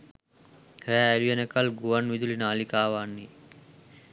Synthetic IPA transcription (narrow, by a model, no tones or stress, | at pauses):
ɾɛːliʋenekɐlɡuʋɐnʋid̪ulinaːlikaːʋaːnːi